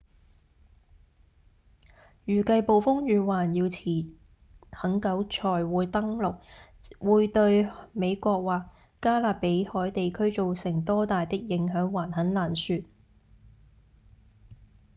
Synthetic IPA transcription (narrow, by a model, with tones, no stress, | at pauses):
jyː˨˩kɐ˧jpo˨wfʊ˥ŋjyː˨˧waː˨˩njiː˧wt͡sʰiː˨˩ | hɐ˨˥ŋkɐ˨˥wt͡ʃʰɔː˨˩jwuː˨˧jt̪ɐ˥ŋlʊ˨k̚ | wʔuː˨˧jt̪ɵ˧ɥme˨˧jkɔː˧k̚waː˨k̚ | kːaː˥laː˨pe˨˥jhɔː˨˥jt̪e˨jkʰɵ˥ɥt͡so˨wsɪ˨˩ŋt̪ɔː˥t̪aː˨jt̪ɪ˥k̚jɪ˨˥ŋɦœː˨˥ŋwaː˨˩nhɐ˨˥nlaː˨˩nsyː˧t̚